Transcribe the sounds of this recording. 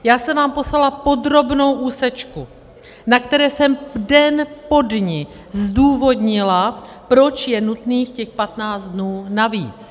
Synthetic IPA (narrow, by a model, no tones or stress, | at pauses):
jaːsɛmvaːmpo̞slalapo̞d̪ɾo̞bno̞wʔuːsɛt͡ʃku | nakt̪ɛɾɛːsɛmdɛnpo̞dɲɪ | zduːvo̞dɲɪla | pɾo̞t͡ʃjɛnut̪niːxcɛxpat̪naːt͡s̪d̪nuːnaviːt͡s